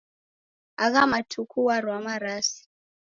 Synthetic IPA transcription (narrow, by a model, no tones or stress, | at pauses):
aɣ̬amatʰukʰuwaɾwamaɾaːsi̥